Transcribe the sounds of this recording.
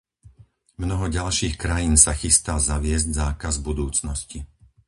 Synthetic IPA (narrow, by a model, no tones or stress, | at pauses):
mnɔɦɔɟalʃiːxkɾajiːnsaxist̪azaʋɪɛzɟzaːkazbud̪uːt͡snɔsci